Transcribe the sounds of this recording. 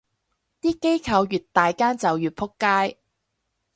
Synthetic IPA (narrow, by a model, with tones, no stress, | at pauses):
t̪iː˥ke˥jkʰɐ˧wjyː˨t̚t̪aː˨jkaː˥nt͡sɐ˨wjyː˨˩t̚pʰʊ˥kːaː˥j